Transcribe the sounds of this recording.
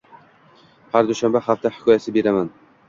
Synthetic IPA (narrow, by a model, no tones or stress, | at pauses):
haɾd̪ʊʃambahaft̪ʰahɪ̥kʰɒjasɪbe̞ɾaman